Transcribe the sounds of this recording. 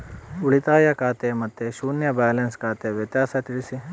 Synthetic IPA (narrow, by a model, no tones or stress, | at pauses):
uɭit̪aːjɐkaːt̪emɐt̪ːeʃuːnjɐbaːlenskaːt̪eʋjɐt̪jaːsɐt̪iɽisi